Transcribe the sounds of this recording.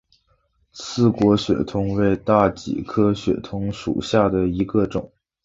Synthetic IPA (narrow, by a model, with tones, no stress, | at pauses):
sʰɹ̩˥˩kwɔ˧˥ɕɥɛ̰˨˩t̪ʰʊ˥ŋwe˥˧ɪt̪a˥˩t͡ɕḭ˨˩kʰɤ˥ɕɥɛ̰˨˩t̪ʰʊ˧˥ŋʂṵ˨˩ɕja˥˩d̪ə˩i˧˥ɡə˧ʈ͡ʂʊ̰˨˩˦ŋ